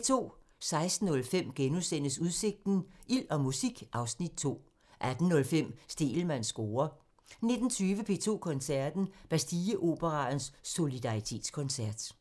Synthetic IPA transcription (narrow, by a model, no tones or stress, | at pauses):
t͡sʰo̝̰ː | sɑ̈ɪsd̥n̩ɔ̽lfem̰ɡ̥enusen̰əsuðˠse̝ɡ̥̚d̥n̩ʔil̰ɒ̽musiɡ̥ʔɑ̈ʊsnid̥̚t͡sʰo̝̰ː | ʔæd̥n̩nɔ̽lfem̰sd̥e̝̰ːl̩mæn̰sɡ̥oːɐ | ne̝d̥n̩t͡sʰyːʋəpʰe̝̰ːt͡sʰo̝̰ːkʰɔ̽nsæɐd̥n̩b̥æsd̥iːəʔo̝b̥əʁɑ̈n̩sːo̝lid̥ɑ̈ʁit͡sʰe̝̰ːd̥skʰɔ̽nsæɐd̥